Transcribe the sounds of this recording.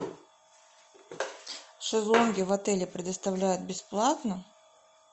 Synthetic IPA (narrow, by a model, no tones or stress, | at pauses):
ʂɨzˠonɡʲɪvɐt̪ɛlʲɪpɾʲɪd̪əst̪ɐvlʲæjʊt̪̚bʲɪsplˠat̪nə